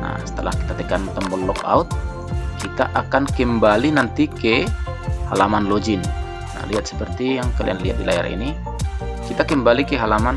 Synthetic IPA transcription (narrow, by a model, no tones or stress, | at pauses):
na̰sə̥t̪əla̰hki̥t̪at̪ɛkant̪əmbɔnlɔka̰ut̪̚ | kit̪a̰ʔakankəmbalinant̪ikɛ | ha̰lamanlod͡ʒin | na̰liat̪̚sə̥pərt̪ijaŋkalḭanliɦat̪̚dilaja̰ɾḭni | kit̪akəmbalikeɦalaman